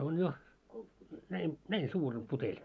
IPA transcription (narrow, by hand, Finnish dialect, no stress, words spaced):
on jo næi næin suːr om putelʲ